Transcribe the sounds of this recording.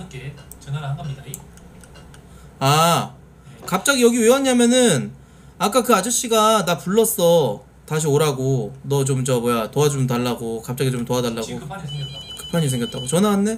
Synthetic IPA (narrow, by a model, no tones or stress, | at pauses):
ket͡ɕenaŋɡʌmɲida | a | kap̚t͡ɕ͈aɡijʌɡiwewaɲamjʌnɯn | ak͈akɯad͡ʑɯɕ͈iɡanapuɭːʌs͈ʌ | taɕ̬ʰioɾaɡonʌt͡ɕomt͡ɕʌmojatoɦad͡ʑuoɯmtaɭːaɡokap̚t͡ɕ͈aɡit͡ɕomtoadaɭːaɡopʰjakɯ̥pʰaɲis̬ʰeŋɡjʌt͈aɡot͡ɕʌnaanːe̞